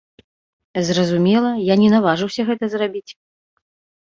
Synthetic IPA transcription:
zrɐzumʲɛlˠɐjanʲɛnavaʐɨwsʲɐɣɛt̪ɐzrabʲit͡sʲ

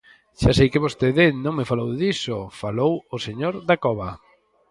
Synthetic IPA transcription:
ʃasejkɪβost̪eðɪnõŋmɪfalowðisofalowoseɲoɾðakɔβa

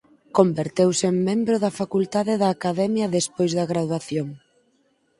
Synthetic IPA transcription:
kombeɾt̪ewseŋmẽmbɾʊðɐfakult̪aðɪðɐːkaðɛmjɐðespojzðɐɣɾaðwaθjoŋ

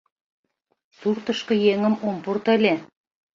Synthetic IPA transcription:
surt̪ɤ̆ʃkɤ̆jeŋə̆mompurt̪ə̆lʲe

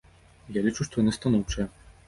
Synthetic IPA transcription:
jalʲit͡ʂuʂt̪ɔjɔnɨst̪anɔwt͡ʂɐɐ

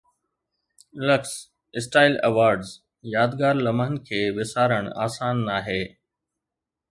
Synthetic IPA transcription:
ləks | ɪsʈaːɪlɐ̰ʋaːɾɖz | jaːd̪ɡaːɾlɐməɦənkʰeːʋɪsaːɾəɽ̃a̰ːsaːnːaːɦeː

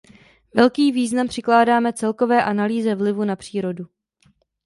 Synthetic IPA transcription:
vɛlkiːviːznampr̥ɪklaːdaːmɛt͡sɛlko̞vɛːʔanaliːzɛvlɪvunapr̝̥iːɾo̞du

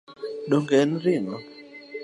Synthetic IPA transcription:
ɗoŋɡɛn̩ɾiŋɔ

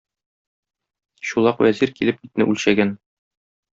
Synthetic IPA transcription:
ɕulˠɑqwæziɾkilɘpit̪̚nɘ̰ʔʉlɕæɡæn

